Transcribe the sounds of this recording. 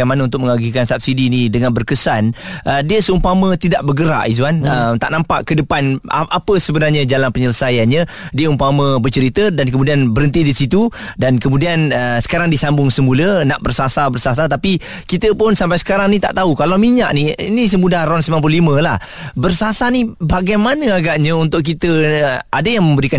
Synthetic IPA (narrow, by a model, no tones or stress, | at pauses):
amanaunt̪ʊk̚məŋaɡikansap̚sidinidəŋanbərkəsanʔədiəsəumpamə̃t̪idaʔbərɡəɾa̰ʔit̬uanəmt̪a̰ʔnampa̰ʔkədəpana̰ʔapəsəbənarɲad͡ʒalanpəɲələsajanɲə | diəumpamə̃bərt͡ʃəɾit̪ədankəmudianbəɾənt̪idisit̪udankəmũdianəsə̥kaɾaŋdisambʊŋsəmulənaʔbərsasabərsasat̪api | kit̪əpʊnsampajsə̥kaɾaŋnit̪a̰ʔt̪aukalawmiɲaʔniḭnis̬əmudarɔnslimanp̬ulimə̃lah | bərsasanibaɡajmanəaɡaʔɲəunt̪ʊʔkit̪əadəjaŋməmbəɾikan